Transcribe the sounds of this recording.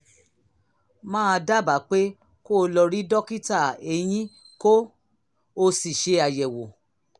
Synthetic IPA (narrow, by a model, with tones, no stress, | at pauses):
mãː˦˧da˦ba˨˦k͡pe˦ | ko˦˧lɔ˧ɾi˦dɔ˦ki˦ta˦˨e˧j̃ĩ˦ | ko˦ | o˧si˨ʃe˨˧˦a˧˨jɛ˨wo˨